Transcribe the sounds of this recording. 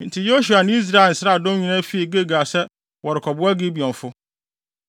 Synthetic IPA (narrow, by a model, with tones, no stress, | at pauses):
n̩˨tʰɪ˨jo˦ɕu˨a˨nɪ̃˦i˦s̬ɾa˦˨ɛ˨n̩˨sɪ˦ɾa˦˨dʊ̃˦ɲĩ˦nã˦fi˦i˨ɡe˦ɡa˨sɛ˦ | wɔ˨ɾɪ˨kʰɔ˨bʊ˦a˦ɡi˦bi˨ɔ̃˨ɱfʊ˦